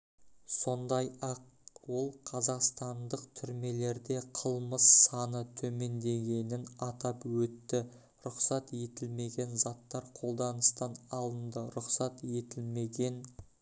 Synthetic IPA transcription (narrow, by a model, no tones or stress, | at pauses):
so̞nd̪ɑjɑqwo̞lˠqʰɑzɑqst̪ɑnd̪əqt̪ʰʏɾme̞le̞ɾd̪e̞qʰəlˠməsːɑnət̪ʰɵme̞nd̪e̞ɡʲe̞nɪnɑt̪ɑpwɵt̪ːɪ | ɾʊqsɑt̪je̞t̪ɪlme̞ɡʲe̞nzɑt̪ːɑɾqʰo̞lˠd̪ɑnəst̪ɑnɑlˠənd̪əɾʊqsɑt̪e̞t̪ɪlme̞ɡʲe̞n